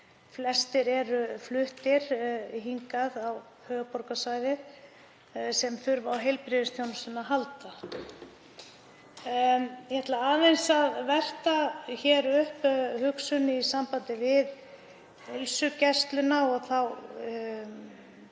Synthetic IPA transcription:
flɛst̪ɪɾɛɾʏflʏht̪ɪɾɦiŋkaðaw | hœːɣpɔɾkasvaːjðɪɾ | sɛmθʏɾvawɦejlpɾɪðɪst̪ʰjownʏsʏnːaɦalt̪a | jhɛt̪laaːðejnsaðvɛr̥t̪açɛɾʏhphʏksʏnisampant̪ɪvɪð | elsʏcɛst̪lʏnaɔɣθaw

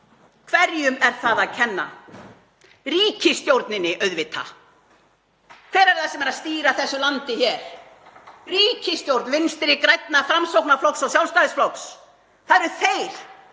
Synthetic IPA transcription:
kʰvɛɾjʏmɛɾ̥θaðaðcʰɛnːa̰ | riːcɪst̪jowɾt̪nɪnːɪʔœɥðvɪt̪ʰːa̰ | kʰvɛːɾɛɾ̥θasɛmɛɾaðst̪iːɾaθɛsːʏlant̪ɪçɛːɾ̥ | riːcɪst̪jowɾt̪nvɪnst̪ɪɾɪkɾajt̪nafɾamsowknaflɔwksaws̬jawlst̪ajðɪsflɔwks | θaðɛɾʏθejɾ̥

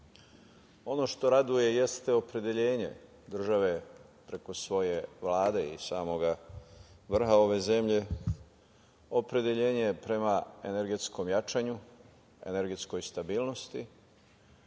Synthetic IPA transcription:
o̞no̞ʃt̪o̞ɾad̪uje̞je̞st̪eo̞pɾe̞d̪je̞ʎe̞ːɲe̞̰ | d̪r̩ʒaʋe̞pɾe̞ko̞sʋo̞je̞ʋlaːd̪e̞ḭsaːmo̞ɡa | ʋr̩xao̞ʋe̞ze̞mʎe̞ | o̞pɾe̞d̪e̞ʎe̞ːɲejepɾe̞mae̞ne̞ɾɡe̞t̪sko̞mjat͡ʃaɲu | e̞̰ne̞ɾɡe̞t̪sko̞jst̪abiːlˠno̞st̪i

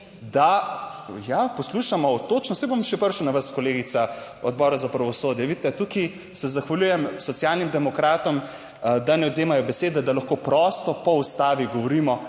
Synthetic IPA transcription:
d̪a | japɔsluːʃamɔt̪oːt͡ʃnɔsɛjbomʃɛpəɾʃuwnaʋaskɔleːɡit̪sa | ɔd̪̚bɔːɾazapɾɐʋɔsoːd̪jɛʋit̪ɛt̪uki | sɛzaxʋaljuːjɛmsɔt̪sijalnimd̪ɛmɔkɾaːt̪ɔm | d̪anɛɔd̪zeːmajɔbɛseːd̪ɛd̪alɐxkoːpɾɔst̪ɔpɔust̪aːʋiɡɔʋɔɾiːmɔ

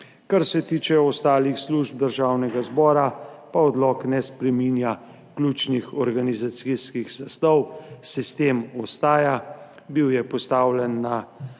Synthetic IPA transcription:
kaɾsɛt̪iːt͡ʃɛɔst̪aːlixsluːʒb̚d̪əɾʒaːwnɛɡazbɔːɾapaɔd̪lɔːknɛspɾɛminja | kluːt͡ʃnixɔɾɡanizat̪siskixzast̪ɔwsist̪emɔst̪aːja | biwjɛpɔst̪aːwlɛnːa

